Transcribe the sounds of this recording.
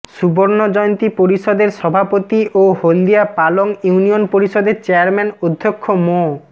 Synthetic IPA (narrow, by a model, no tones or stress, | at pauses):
ʃuboɾnod͡ʑɔjont̪ipoɾiʃod̪eɾʃɔbʱapot̪iʔohold̪iapaloŋjunionpoɾiʃod̪eɾt͡ɕeaɾmɛnod̪ʱːokʰːomo